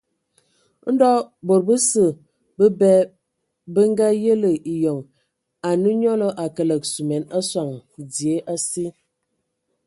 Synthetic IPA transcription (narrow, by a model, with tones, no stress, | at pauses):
n̩˦dɔ˦bo˨ɾbə˦sə˨ | bə˦bɛ˦ | bə˦ŋ˦ɡa˦jə˦lə˨ʔi˨jɔ˨ŋ | a˨nə˦ɲɔ˦lɔ˦ʔa˨kə˨lə˨k̚su˨mɛ˨na˦swa˨ŋd͡zi˨e˦ʔa˦si˦